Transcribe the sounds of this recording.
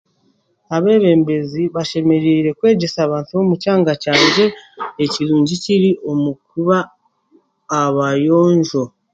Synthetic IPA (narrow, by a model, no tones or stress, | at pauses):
aβe̞ːβe̞ːmbe̞ziβaʃe̞me̞ɾiːɾe̞kwe̞ːɟe̞saːβaːntuβo̞mucaːŋɡacaːɲɟe̞ːciɾuːɲɟiciɾiʔo̞mukuβa | βajo̞ːɲʒo̞